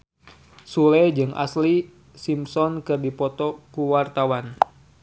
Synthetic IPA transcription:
sulɛd͡ʒɨŋʔa̰sli | simsɔnkɨrdipɔt̪ɔkuwart̪awan

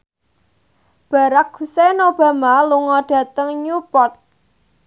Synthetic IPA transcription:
b̥ä̤ɾak̚ɡ̥ṳsenob̥a̤maluŋɔɖ̥ä̤t̪əŋɲupɔt̪̚

